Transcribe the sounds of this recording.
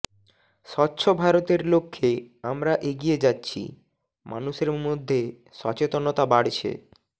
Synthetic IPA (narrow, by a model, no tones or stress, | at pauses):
ʃɔtːɕʰobʱaɾot̪eɾlokʰːeamɾaʔeɡied͡ʑatːɕʰḭ | mʔanuʃeɾmod̪ʱːe | ʃɔt͡ɕet̪onot̪abaɽt͡ɕʰḛ